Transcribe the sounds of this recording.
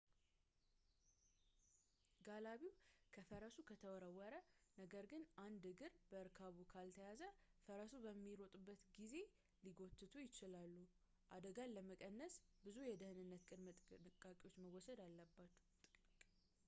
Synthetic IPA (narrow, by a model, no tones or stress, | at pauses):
ɡalaβiwkʰəfəɾəsukʰət̪ʰəwɔɾəwːəɾənəɡəɾɡɨnand̪ɨɡɨɾbəɨɾkʰaβukʰalt̪ʰəjazəfəɾəsubəmːiɾo̞t̪ʼubːət̪ɡize̞ | liɡo̞t̪ʰːɨt̪ʰujɪt͡ʃɪlalːu | ʔad̪əɡaləməkʼənːəsbɨzujɛd̪ɨhɨnɨnːət̪kʼɨd̪mʼkʼakʼiwot͡ʃːməwɔsəd̪alːəbːat̪ʼ